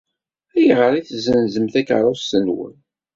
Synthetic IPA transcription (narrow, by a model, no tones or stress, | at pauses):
æjʁəɾˤiθzənzəmθækəɾˤɑsənwə̰n